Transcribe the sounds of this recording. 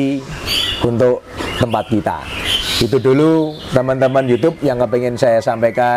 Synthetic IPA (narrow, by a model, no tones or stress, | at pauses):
unt̪ʊʔ | t̪əmpat̪̚kit̪a̰it̪̬udulut̪əmənt̪əmənjut̪ʊp̚jaŋːəpeŋɪnsajasampaka